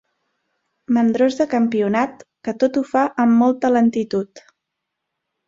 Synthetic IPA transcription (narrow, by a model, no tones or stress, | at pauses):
mənd̪ɾozðəkəmpiunat̪kət̪ot̪ufaʔəmːɔlˠt̪ələnt̪it̪ut̪